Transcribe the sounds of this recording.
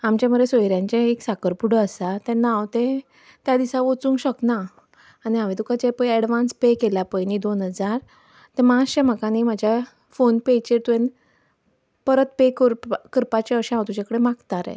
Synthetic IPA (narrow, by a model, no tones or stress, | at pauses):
amt͡ɕjaməɾesojɾjãɲt͡ɕẽeksakəɾpuɽəəsat̪ɛ̃nːaːwt̪ẽ | t̪jad̪isãʋot͡sũːŋkɕəknaː | niɦaʋẽt̪ukat͡ɕepəjɛɽʋãnspekeljapəjnid̪onɦəd͡zaɾ | t̪ɛ̃maɕɛ̃m̤əkanimad͡ʑʱja | fonpet͡ɕeɾt̪uʋẽn | pəɾət̪pekəɾpkəɾpat͡ɕeəɕɛ̃awt̪ut͡ɕakəɽemakt̪aɾɛ̰